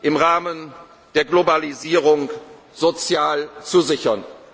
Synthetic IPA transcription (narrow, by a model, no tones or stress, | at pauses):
ʔɪmʁaːmən | d̥eːɐɡlobaliziːʁʊŋ | z̥ot͡sjaːlt͡suzɪçɐn